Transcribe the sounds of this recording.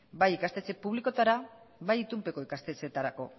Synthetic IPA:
bajikast̪et͡se̞puβliko̞t̪aɾa | βajit̪umpe̞ko̞ikast̪e̞t͡se̞t̪aɾako̞

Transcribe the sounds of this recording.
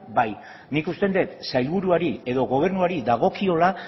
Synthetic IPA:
baj | nikust̪e̞nd̪e̞t̪sajlβuɾuaɾie̞ðo̞ɣo̞β̞e̞ɾnuaɾiðaɣ̞o̞kio̞la

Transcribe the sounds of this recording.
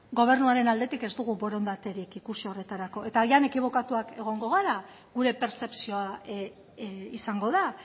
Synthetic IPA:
ɡo̞β̞e̞ɾnuaɾe̞nald̪e̞t̪ike̞zd̪uɣubo̞ɾo̞nd̪at̪e̞ɾikikusiore̞t̪aɾako̞e̞t̪aiane̞kiβ̞o̞kat̪uake̞ɣ̞o̞ŋɡo̞ɣ̞aɾa | ɣuɾe̞pe̞ɾse̞psioa | isaŋɡo̞ða

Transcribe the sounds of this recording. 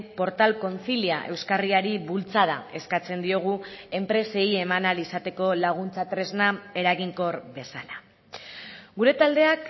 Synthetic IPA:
po̞ɾt̪alko̞nθiliaʔe̞wskariaɾiβult͡saða̰e̞skat͡se̞nd̪io̞ɣ̞ue̞mpɾe̞se̞je̞manalisat̪e̞ko̞laɣ̞unt͡sat̪ɾe̞znae̞ɾaɣiŋko̞ɾβe̞sala | ɡuɾe̞t̪ald̪e̞ak

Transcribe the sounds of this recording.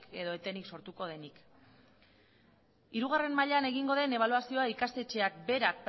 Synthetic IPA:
ke̞ðo̞e̞t̪e̞nikso̞ɾt̪uko̞ð̞e̞nik | iɾuɣ̞are̞nmaʎane̞ɣ̞iŋɡo̞ð̞e̞ne̞β̞aluasio̞aikast̪e̞t͡ʃe̞ak̚be̞ɾak̚p

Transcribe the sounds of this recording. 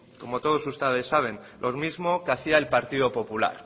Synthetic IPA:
ko̞mo̞t̪o̞ðo̞sust̪eðesːaβ̞e̞nlʔo̞zmizmokeaθiaelpaɾt̪iðo̞po̞pula̰ɾ

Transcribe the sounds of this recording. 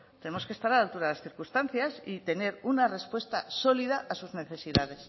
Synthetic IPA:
t̪e̞nemoskest̪aɾalalt̪uɾaðelasθiɾkust̪an̟θjasit̪e̞ne̞ɾunare̞spwe̞st̪aso̞liðaʔasuzne̞θe̞siðað̞e̞s

